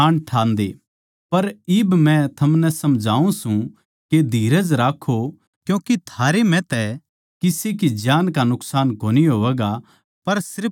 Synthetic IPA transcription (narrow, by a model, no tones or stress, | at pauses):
aːɳɖʈʰaːnd̪ḛ | pɐɾɪbmɛ̃t̪ʰɐmnɛsɐmd͡ʒʱaːũsũ | ked̪ʱiːɾəd͡ʒɾaːkʰːo | kjũːkit̪ʰaːɾemɛ̃t̪ɛ | kɪsekid͡ʒjaːnkanʊksaːnkoːniɦoːʋɛːɡa | pɐɾsɪɾ